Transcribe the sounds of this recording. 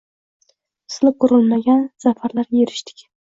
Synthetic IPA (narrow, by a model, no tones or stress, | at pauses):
sɪlɪp̚qʰʊɾɪlmaɡʲansafaɾlaɾjeɾɪʃt̪ʰɪ̥kʲ